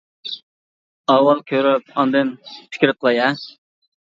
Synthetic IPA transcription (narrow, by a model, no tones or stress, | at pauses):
ɑwɑlˠkʲʰøɾyp̚ɑnd̪ɨnpʰɪ̥kʲɾɨq̪ʰəlˠɑjɛ